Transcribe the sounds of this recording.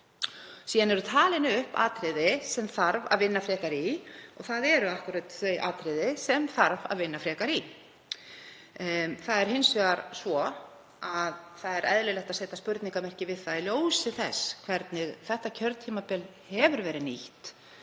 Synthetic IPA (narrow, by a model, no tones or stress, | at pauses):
siːðanɛɾʏt̪ʰaːlɪnʏhpa̰ːt̪ɾɪðɪsɛmθaɾva̰ðvɪnːafɾɛːkaɾiɔ̰ɣθaðɛɾʏahkʏɾat̪θœɥʔa̰ːt̪ɾɪðɪsɛmθaɾva̰ðvɪnːafɾɛːkaɾi | θaðɛɾ̥hɪnsʏɣaɾsvɔ | aðθaðɛɾʔɛðlɪlɛht̪aseːt̪aspʏɾt̪niŋkamɛr̥cɪvɪðθaðljoːwsɪθɛ̰skʰvɛɾt̪nɪɣθɛht̪acʰœɾðt̪ʰiːmapɪl | hɛvʏɾvɛːɾɪniht̪